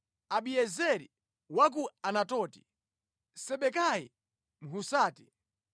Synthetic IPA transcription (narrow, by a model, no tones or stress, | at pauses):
aɓiɛzɛɾi | wak̬uanatɔːti̥ | sɛɓɛkajḭ | m̩ɦusaːti̥